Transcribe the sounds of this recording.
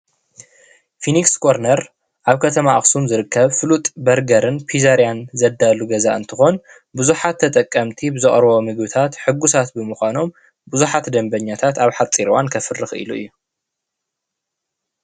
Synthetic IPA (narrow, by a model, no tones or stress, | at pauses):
finiksɡoɾnɐɾ | ʔaβkʰɐt̪ʰɐmaa̰xsumzɨɾɨkːɐβfɨlut̪ʼbɐɾɡɐɾɨnpʰizaɾjanzɐd̪aluɡɐza̰ʔɨ̰nt̪ʰɨxo̞n | bɨzuħat̪ʰːɐt̪ʼɐkʼːɐmt̪ʰibɨzɨχʼɾβo̞mɨɡbɨt̪ʰat̪ħɨɡːusat̪̚bɨmɨxʷano̞m | bɨzuħat̪d̪ɐmbɐɲːat̪ʰat̪aβħat͡sʼiɾwankʰɐfɨrɨxʔḭluɨjːu